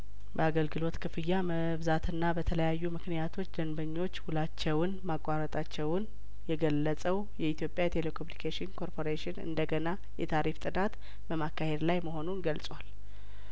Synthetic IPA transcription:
bəaɡəlɡɨlo̞t̪kʰɨfɨjːamə | βzat̪ʰɨnːabət̪ʰələjajːumɨknijat̪ʰo̞t͡ʃːd̪ənbəɲːo̞t͡ʃːhulat͡ʃːɛwnmakʼːaɾət̪ʼat͡ʃːɛwn | jɛɡəlːəsʼəw | jɛit̪ʰjo̞pʼjajt̪ʰe̞lekʰomunikʰeʃɪnkʰo̞ɾpʰo̞ɾeʃɪnɨ̰nd̪əɡəna | jɛt̪ʰaɾift̪ʼɨnat̪ | bəmakːahe̞d̪lajməɦo̞nunɡəlsʼwal

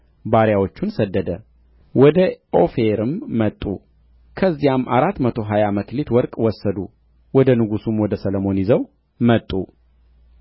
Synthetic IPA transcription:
baɾjawot͡ʃːunsəd̪ːəd̪ə | wɔd̪əofeɾɨmːət̪ʼːu | kʰəzːijamːʔaɾat̪ːmət̪ʰo̞ɦajaməklet̪wɔɾkʼwɔsːəd̪u | wɔd̪ənɨɡusumwɔd̪əsələmo̞njizəw | mət̪ʼːu

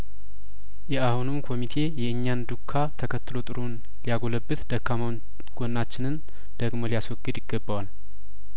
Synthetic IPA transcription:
jɛahunɨmkʰo̞mit̪ʰe̞jɛʔɨɲːand̪ukʰːat̪ʰəkʰət̪ːɨlo̞t̪ʼɨɾon | lijaɡo̞ləbːɨt̪d̪̥əkʰːam | ɡ̥onːat͡ʃːɪnɨn | d̪̥əɡmo̞lijaswɔɡːɨd̪jɪɡːəbːəwal

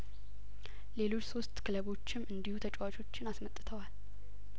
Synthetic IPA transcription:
le̞lo̞t͡ʃːso̞st̪ʼkʰɨləβo̞t͡ʃːɪmɨnd̪ihut̪ʰət͡ʃʼwat͡ʃʼo̞t͡ʃːɪnasmət̪ʼːɨt̪ʰəwal

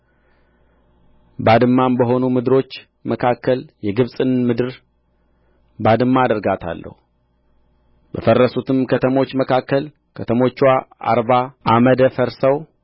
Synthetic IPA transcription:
bad̪ɨmːambəɦo̞numɨd̪ɨɾo̞t͡ʃː | məkʰakːəljɛɡɨβsʼɨnmɨd̪ɨɾ | bad̪ɨmːaːd̪əɾɡat̪ʰa̰lːə̰hu | bəfərːəsut̪ɨmkʰət̪ʰəmo̞t͡ʃːməkʰakːəl | kʰət̪ʰəmo̞t͡ʃːwaa̰ɾbaʔaməd̪əfəɾsəw

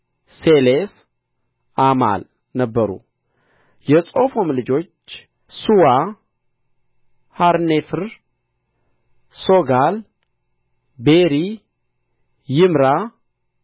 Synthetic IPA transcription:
seles | ʔama̰l | nəbːəɾṵ | jɛsʼo̞fo̞mlɨd͡ʒo̞t͡ʃː | suwa | haɾnefɨɾ | so̞ɡal | beɾi | jɪmɾa

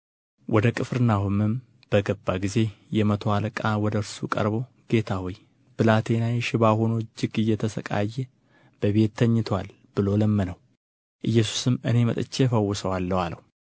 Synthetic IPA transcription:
wʔɔd̪əkʼɨfɾɨnːaɦumɨm | b̥əɡəbːaɡize̞jɛmət̪ʰoaləkʼawɔd̪əɾsukʼə̰ɾbo̞ | ɡ̥e̞t̪ʰawɔj | b̥ɨlat̪ʰe̞najʃɪβahonod͡ʒːɪɡɨjːɛt̪ʰəsəkʼa̰jːɛ | b̥əβe̞t̪ʰːəɲːɪt̪ʰwal | b̥ɨlo̞ləmːənəw | ʔɨjːɛsu̥sɨmɨne̞mət̪ʼɨt͡ʃːefəwːʊsəwalːəwalə̰w

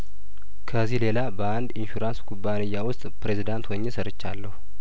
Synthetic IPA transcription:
kʰəzːihle̞labəand̪ɪnʃuɾansɡʰubːanɨjːawʊst̪ʼpɾe̞zid̪ant̪wɔɲːesəɾət͡ʃːa̰lːəhu

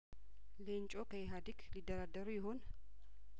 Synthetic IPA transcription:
lenɲt͡ʃʼo̞kʰəjɦad̪iklid̪ːəɾad̪ːəɾujɪɦo̞n

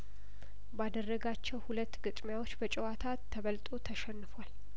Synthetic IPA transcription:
bad̪ərːəɡat͡ʃːɛwhulət̪ːɡɨt̪ʼmjawo̞t͡ʃːbət͡ʃʼɛwat̪ʰat̪ʰːəβəlt̪ʼot̪ʰəʃɛnːɨfwal

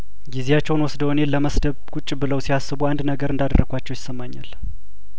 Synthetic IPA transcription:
ɡizejat͡ʃːɛwnwɔsd̪əwnellːəməsd̪əβkut͡ʃʼːbɨləwsihasːɨβuand̪nəɡəɾɨnd̪ad̪ərəɡʷat͡ʃːɛwjɪsːəmːaɲːa̰l

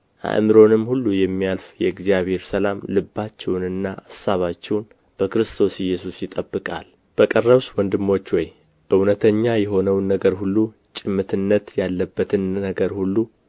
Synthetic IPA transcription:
ʔa̰ʔmɨɾo̞nɨmːhulːujɛmːijalfjɛɨɡzijaβhe̞ɾsəlamlɨbːat͡ʃːɛwnɨnːaʔasaβat͡ʃːɛwn | b̥əkɨɾɨst̪ʰo̞sɪjːɛsusjɪt̪ʼəbːɨkʼa̰l | b̥əkʼərːəβswɔnd̪ɨmːo̞t͡ʃːwɔj | ʔɨwnət̪ʰəɲːajɛɦo̞nəwnːəɡəɾhulːu | t͡ʃʼɪmːɨt̪ʰɨnːət̪jalːəbːət̪ʰɨnːəɡəɾhulːu

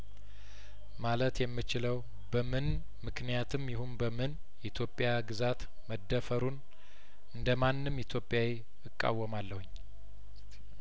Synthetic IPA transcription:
malət̪jɛmːɨt͡ʃɪləw | bəmɨn | mɨknijat̪ʰɨmjɪhunbəmɨn | ʔit̪ʰjo̞pʼːjaɡɨzat̪ | məd̪ːəfəɾun | ɨnd̪əmanːɨmit̪ʰjo̞pʼːjawe | ɨkʼːa̰wːəmalːəhuɲː

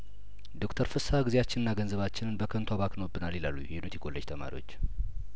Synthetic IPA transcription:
d̪o̞kt̪ʰəɾfɨsaɡɨzijat͡ʃːɪnɨnːaɡənzəβat͡ʃːɪnɨnbəkʰənt̪ʰaβaknobːɨnalːilalːṵjjɛnot̪ʰiɡo̞lːəd͡ʒt̪ʰəma̰ɾḭwo̞t͡ʃː

